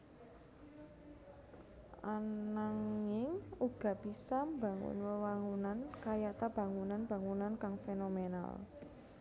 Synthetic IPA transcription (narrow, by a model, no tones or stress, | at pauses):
ʔanaŋɪŋuɡ̥a̤b̥isambaŋʊ̰nwəwaŋunankajaʔt̪ab̥a̤ŋunanb̥a̤ŋunankaŋfenomena̰l